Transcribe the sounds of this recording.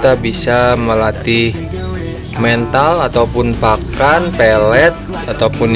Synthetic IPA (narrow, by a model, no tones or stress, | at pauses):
t̪abisaməlat̪i | mɛnt̪alat̪awpʊnpakanpɛlɛt̪̚ | at̪awpʊn